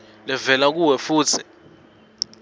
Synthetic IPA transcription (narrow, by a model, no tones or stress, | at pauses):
lɛvɛlak̬uwɛfuːt͡sʰɛ̥